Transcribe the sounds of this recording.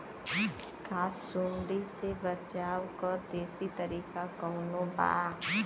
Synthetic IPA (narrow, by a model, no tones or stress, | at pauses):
kʰaːsːʊɳɖisebət͡ʃaːwkɔɾd̪eːsit̪əɾiːkakɔnõba̰ː